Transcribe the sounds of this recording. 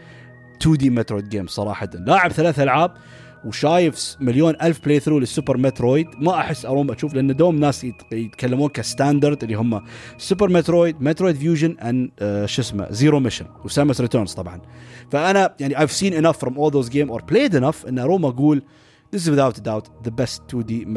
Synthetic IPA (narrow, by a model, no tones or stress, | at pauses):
t̪ʰuːd̪iːmet̪ɾoːjd̪̚ɡeːmsˤɑɾˤɑːħat̪anlaːʕɪbθalaːθʔalʕaːb̚ | wʃaːjɪfmaljoːnʔalfpleːθɾuːlɪsːʊpəɾmet̪ɾoːjd̪maʔaħɪsːʔɑɾˤuːmʔaʃuːflʔanːad̪oːmnːaːsjɪt̪kʰalːamuːnkast̪aːnd̪ɑɾˤd̪ʔɪlːiɦʊmːasʊp̬əɾmɛt̪ɾoːjd̪̚met̪ɾoːjd̪fjuːʒɪnʔanʃɪsma̰ziːɾomɪʃɪ̰nwsamasɾɪt̪əɾnz̥t̪ˤɑbʕɑnfaʔanajaʕniʔajvsiːnɪnafːɾˤɔmʔoːlˠðoːzɡeːmʔoːɾpleːd̪ɪnafʔɪnːʔɑɾˤuːmʔaɡuːl | ðɪs̬wɪðawt̪d̪awt̪ðəbɛst̪ːud̪i